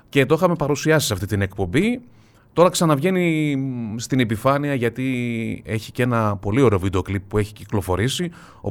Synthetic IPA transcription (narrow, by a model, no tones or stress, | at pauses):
cet̪oxɐme̞pɐɾusiɐsi̥sɐft̪it̪ine̞kpo̞mbi | t̪o̞ɾɐksɐnɐvʝe̞ni | st̪ine̞pifɐniɐʝɐt̪ie̞çi̥ce̞nɐpo̞lio̞ɾe̞ovid̪eo̞klipːue̞çi̥ciklo̞fo̞ɾisi | o